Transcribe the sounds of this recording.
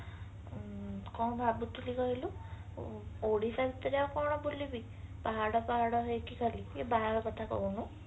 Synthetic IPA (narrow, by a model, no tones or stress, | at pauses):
kɔw̃bʱabut̪ʰuliɡɔɦilu | oɽisabit̪ːɔɾjaakɔwɳɔbulːibi | paɦaɽɔpaɦaɽɔɦekikʰaliebaɦaɽɔkɔt̪ʰakɔ̰unu